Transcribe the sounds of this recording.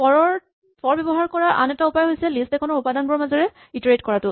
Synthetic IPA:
pɔɹɔɹ | pɔɹbɔbɔɦaɹkɔɹaʔa̰nɛtaupajɦojsɛlistɛkʰɔnɔɹupadanbɔɹɔmazɔɹɛ | itɔɹetkɔɹatʊ

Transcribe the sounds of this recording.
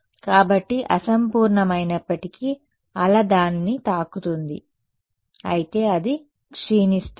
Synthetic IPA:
kaːbɐʈːiʔɐsɐmpuːɾɳɐmɐjnɐpːɐʈiki | ɐlɐd̪aːninit̪aːkut̪und̪ḭ | ɐ̰jit̪e̞ːɐd̪i | kʂiːnisʈ

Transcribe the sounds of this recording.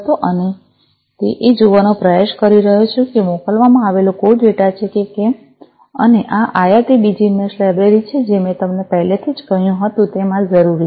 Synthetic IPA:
t̪oʔəne | t̪eʔed͡ʒoʋanopɾəjeʃkəɾiɾəɦot͡ʃʰekemokəlʋamãaʋelokoɖʋeʈat͡ʃʰekeke | ə̰neʔaʔajat̪ibid͡ʒimeslɛbɾeɾit͡ʃʰed͡ʒemẽt̪əmnepəɦlet̪ʰid͡ʒkəɦjũɦət̪ũt̪emãd͡ʒəɾuɾi

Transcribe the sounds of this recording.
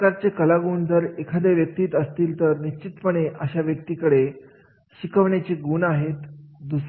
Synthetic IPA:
kaɾt͡sekəlaɡuːnd͡zəɾekʰad̪aʋjək̚t̪iːt̪əst̪iːlt̪əɾniɕt͡ɕit̪pəɽ̃eʔəɕaʋjək̚t̪iːkəɽe | ɕikʰəʋɳat͡ɕiɡuːnaɦet̪d̪us

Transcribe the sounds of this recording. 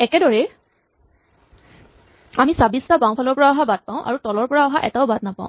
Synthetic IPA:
ɛkɛdɔɹɛ | amisabistabãw̃pʰalɔɹpɔɹaɔɦabad̚paʊ̃ʔa̰ɹutɔlɔɹpɔɹaɔɦaʔɛ̰taʊbad̚napãʊ̃

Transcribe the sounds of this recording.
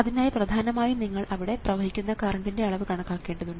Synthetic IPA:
ɐðinaːjɐprɐd̪ʱaːnɐmaːjiniŋːɐɭɐʋiɽe̞prɐʋɐɦikʲːunːɐkaːrɐɳdinde̞ɐɭɐʋɨkɐɳɐkːaːkːe̞ːɳɖɐðuɳɖɨ

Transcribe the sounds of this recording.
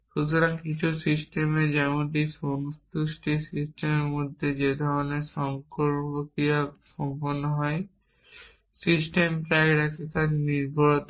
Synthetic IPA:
ʃut̪uɾaŋkit͡ɕʰusisʈemed͡ʑɛmoɳʈisont̪uʃʈisisʈemeɾmod̪ʱːed͡ʑed̪ʱɔɾonesɔŋkoɾokijasɔmponːoɦɔe | sisʈempɾajɾakekad͡ʑniɾbʱɔɾot̪

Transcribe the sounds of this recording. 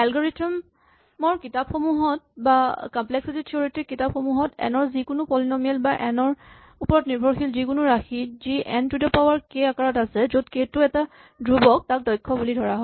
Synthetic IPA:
ɛlɡɔɹitʰɔmː | ɔɹkitapxɔmuɦɔt̚bakamplɛksititʰioɹitikitap̚xɔmuɦɔtɛ̰nɔɹzikʊnʊpɔlinɔmiɛlbaʔɛnɔɹ | upɔɹɔtniɹbʱɔɹxilzikʊnʊɹaxiziʔɛntidɔpawaɹkeakaɹɔtasɛzod̚ketʊɛta | dʱɹubɔk̚tak̚dɔjkʰːɔbulidʱɔɹaɦɔ

